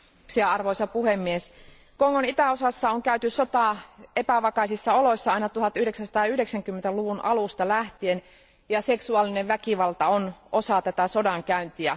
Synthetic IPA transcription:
siɑɑrʋojsɑpuhemːies | koŋːonit̪æosɑsːɑoŋkæyt̪yssot̪ɑˑepæʋɑkɑisisːɑolo̞jsːɑɑinɑt̪uhɑt̪yhde̞ksænsɑ̥t̪ɑːyhdeksæŋkymːent̪æluʋunʔɑlust̪ɑlæht̪ien | jɑseksuɑˑlineʋʋækiʋɑlt̪ɑonʔo̞sɑt̪æt̪æso̞dɑŋkæynt̪iæ

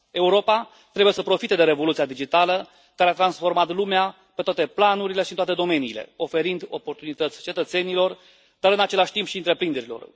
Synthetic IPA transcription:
e̞uɾo̞pa | t̪ɾebujesəpɾo̞fit̪e̞d̪e̞ɾe̞vo̞lut̪siad̪id͡ʒit̪alə | kaɾeat̪ɾansfo̞rmat̪lumea | pet̪oat̪e̞planuɾile̞ʃiɨnt̪wat̪e̞d̪o̞me̞niːle̞̰o̞fe̞ɾind̪o̞po̞rt̪unit̪ət̪sʲt͡ʃe̞t̪ət̪se̞nilo̞r | d̪aɾɨnat͡ʃe̞laʃʲt̪impʃiɨnt̪ɾe̞pɾind̪e̞ɾilo̞̰r

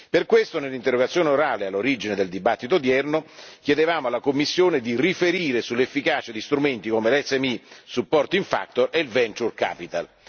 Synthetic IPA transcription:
perkwest̪onelːint̪erːoɡat̪sjoːneoɾaːlealːoɾid͡ʒined̪eld̪ibat̪ːit̪od̪jɛrnok̟jed̪evaːmoalːakomːisːjoːned̪irifeɾiːɾesulːefːikaːt͡ʃad̪ist̪ɾument̪ikomelɛsːɛmisupːɔrt̪oiɱfa̰k̚t̪oɾeilvɛnt͡ʃurka̰ːpit̪al

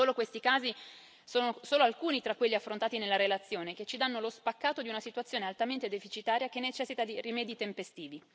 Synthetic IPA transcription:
oːlokwest̪ikaːzi | soːnosoːloalkuːnit̪ɾakːwelːiafːɾont̪aːt̪inelːaɾelat̪sːjoːneket͡ʃːid̪anːolospakːaːt̪od̪iunasit̪wt̪sːjoːnealt̪ament̪ed̪efit͡ʃit̪aːɾjak̟enːet͡ʃɛsːit̪ad̪irimɛːd̪it̪empest̪iːvi

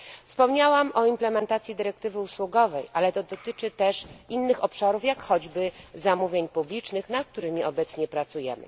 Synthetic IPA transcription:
fspɔmɲawamʔɔimplɛmɛnt̪at̪sʲjid̪ɘɾɛk̚t̪ɘvɘuswuɡɔvɛjʔalɛt̪ɔd̪ɔt̪ɘt͡ʂɘt̪ɛʂinːɘxɔpʂaɾufjakxɔd͡ʑbɘzamuvʲjeɲpublʲit͡ʂnɘxnat̪̚k̚t̪uɾɘmʲiɔbɛt̪sɲɛpɾat̪sujɛ̰mɘ̰

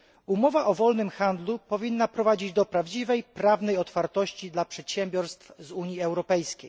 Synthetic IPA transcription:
umɔvaʔɔvɔlnɘmxand̪lupɔvʲinːapɾɔvad͡ʑid͡ʑd̪ɔpɾavd͡ʑivɛjpɾavn̪ɛjɔt̪faɾt̪ɔɕt͡ɕid̪lapʂɛt̪ɕɛmbʲjɔɾst̪fzuɲjiɛwɾɔpɛjskʲej

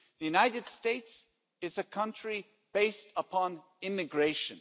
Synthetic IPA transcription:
ðɨjʉnaɪɾɨd̥steɪts | ɨzɨkʰʌ̃nt͡ʃɹ̥i | b̥eɪstəpʰɑ̃n | ɪmɨɡɹeɪʃɨ̃n

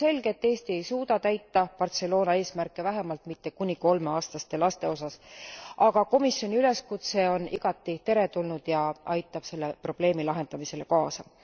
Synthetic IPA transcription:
se̞lɡ̥eet̪ːe̞ːst̪ie̞jsuːd̪̥ɑt̪æjt̪ːɑpɑrt̪se̞lo̞ːnɑe̞ːsmærkˑːe̞væɦemɑlt̪mit̪ːe̞kunʲiko̞lme̞ɑːst̪ɑst̪e̞lɑst̪e̞o̞sɑsʔɑɡ̥ɑko̞misjo̞nʲiyle̞skut̪se̞o̞niɡ̥ɑt̪ːˑit̪e̞ɾe̞t̪ulnud̪̥jɑʔɑjt̪ːˑɑb̥se̞lːepro̞b̥le̞ːmilɑɦe̞nd̪ɑmise̞le̞kɑːsɑ

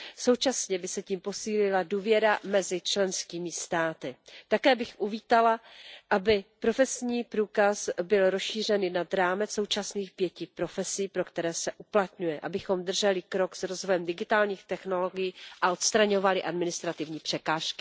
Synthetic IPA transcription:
so̞wt͡ʃasɲɛbɪsɛciːmpo̞siːlɪladuːvjɛɾamɛzɪt͡ʃlɛnskiːmɪst̪aːt̪ɪt̪akɛːbɪxʔuviːt̪alaʔabɪpɾo̞fɛsɲiːpɾuːkasbɪlɾosʃiːr̝ɛnɪnad̪ɾaːmɛt͡sso̞wt͡ʃasniːxpjɛcɪpɾo̞fɛsiːpɾo̞kt̪ɛɾɛːsɛʔuplat̪ɲujɛʔabɪxo̞md̪r̩ʒɛlɪkɾo̞ksɾo̞zvojɛmdɪɡɪt̪aːlɲiːxt̪ɛxno̞lo̞ɡɪjiʔaʔo̞t̪st̪ɾaɲovalɪʔadmɪnɪst̪ɾat̪ɪvɲiːpr̝̥ɛkaːʃkɪ̥

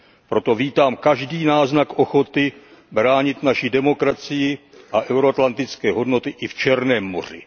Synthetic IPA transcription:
pɾo̞t̪o̞viːt̪aːmkaʒdiːnaːznakʔo̞xo̞t̪ɪ | bɾaːɲɪt̪naʃɪdɛmo̞kɾat͡sɪjɪ | ʔaʔɛwɾoat̪lant̪ɪt͡skɛːɦo̞dno̞t̪ɪʔɪft͡ʃɛɾnɛːmːo̞̰r̝ɪ̰

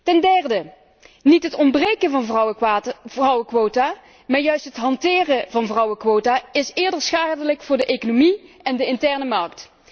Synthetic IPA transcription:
tɛndɛrdə | nitɦətɔmbrejkənvɑn | rʌwəkʋoːtaː | maːɹjœɥstɦətɦɑntɪːrəvɑnvrʌwəkʋowtaːɪsɪːɹdəɹsχaːdələkfʊːɹdəʔejkonomi | ɛndəɪntɛɹnəmɑɹkt

